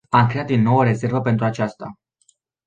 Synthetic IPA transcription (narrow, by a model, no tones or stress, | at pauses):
amkɾe̞at̪d̪inːo̞wəɾe̞ze̞rvəpent̪ɾuat͡ʃast̪a̰